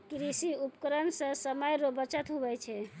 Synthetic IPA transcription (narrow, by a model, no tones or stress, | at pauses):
kɾisiupkəɾənsə̃səməjɾobət͡ʃət̪ɦubɛt͡ʃʰɛ